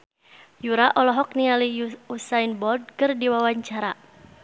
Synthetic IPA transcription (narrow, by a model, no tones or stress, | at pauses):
juɾaʔɔlɔɦɔk̚nialiusainbɔld̚kɨrdiwawaɲt͡ʃaɾa